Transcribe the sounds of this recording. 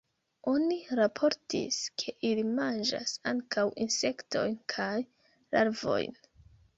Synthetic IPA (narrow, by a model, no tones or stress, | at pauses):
o̞niɾapʰo̞ɾtḭskʰe̞ʔilimand͡ʒa̰saŋkʰawʔinse̞kto̞̰jnkʰaj | lʔaɾvo̞̰jn